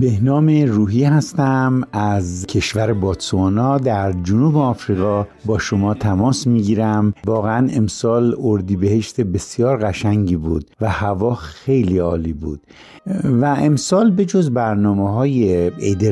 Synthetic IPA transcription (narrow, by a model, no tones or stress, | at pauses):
be̞hnɒːmeruːɦiɦæst̪æmæzcʰe̞ʃvæɾebɒːt̪soɑːnɒːd̪æɾd͡ʒonuːbeɒːfɾiːɣɒ | bɒːʃomɒːt̪ʰæmɒːsmiɟiːɾæmvɒːɣeæne̞msɒːloɾd̪iːbe̞he̞ʃt̪e̞be̞sjɒːɾɣæʃæŋɟiːbuːd̪̥̚væhævɒːxe̞jliːɒːliːbṵːd̪̥̚ | væemsɒːlbe̞d͡ʒozbæɾnɒːmeɦɒːjeejd̪e